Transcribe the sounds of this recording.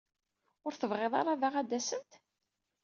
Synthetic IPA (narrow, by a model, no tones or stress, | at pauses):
ʊɾθəvʁeðˤɑ̰ɾˤɑðaʁæd̪ːæsənt̪